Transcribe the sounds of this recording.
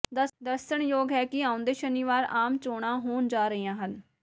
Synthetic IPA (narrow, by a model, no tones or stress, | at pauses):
d̪əɾʃəɳjoːɡɦɛːkɪãːʊ̃nd̪eːʃənɪʋaːɾaːmt͡ʃoːɽãːɦoːnd͡ʒaːɾəijãːɦən